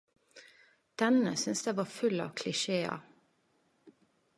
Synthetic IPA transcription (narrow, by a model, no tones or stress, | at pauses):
d̪̥ɛnə̰sʏnsd̪eːʋɑːfʉlɑ̰ːʋkʰlɪʃeːɑ̰